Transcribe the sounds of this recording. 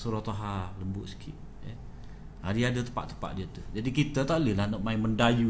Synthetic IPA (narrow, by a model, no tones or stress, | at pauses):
suɾɔt̪oɦaləmbʊʔsə̥kʰḭʔ | jə | adiadat̪ə̥pa̰ʔt̪ə̥pa̰ʔdiət̪ud͡ʒadikit̪ət̪alɪlahnɔʔmaɪməndaju